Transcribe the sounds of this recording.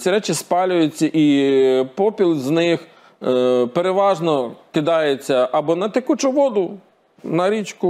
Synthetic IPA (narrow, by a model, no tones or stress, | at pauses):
t͡sʲiɾɛt͡ʃɪspɑlʲʊjʊt͡sʲːɐʔipɔpʲilˠznɪx | peɾeʋɑʒnɔkɪd̪ɑjet͡sʲːɐʔɐbɔnɐt̪ɪkut͡ʃʊʋɔd̪ʊ | nɐɾʲit͡ʃkʊ